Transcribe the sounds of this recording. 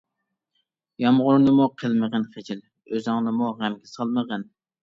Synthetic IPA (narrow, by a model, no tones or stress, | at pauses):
jɑmʁʊɾnɨmuqʰəlˠməʁənχɪt͡ʃiɪl | øzɨŋnɨmuʁæmɡʲɛsɑlˠməʁən